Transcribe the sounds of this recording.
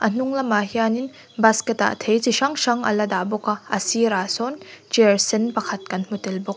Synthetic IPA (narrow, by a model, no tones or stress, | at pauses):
ʔɐn̥uŋlɐmaɦianin | baskɛta̰ʔt̪ʰejt͡siʃɐŋʃɐŋʔɐ̰lɐd̪abɔkaɐ̰siɾasɔnt͡ʃiɾsɛnpɐkʰɐt̚kɐnm̥utɛlbɔk̚